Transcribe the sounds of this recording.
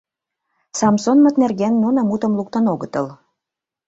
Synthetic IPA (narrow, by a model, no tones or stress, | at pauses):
sɑmsonmɤ̆t̪̚nerɣænːunɑmut̪ə̆mluk̚t̪ɤ̆noɣət̪ɤ̆l